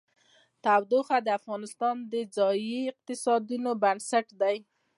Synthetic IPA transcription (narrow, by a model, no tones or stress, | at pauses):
t̪awd̪oxad̪əafɣɑnɪst̪ɑnd̪əd͡zɑjiɪq̚t̪ɪsɑd̪unobansaʈd̪aj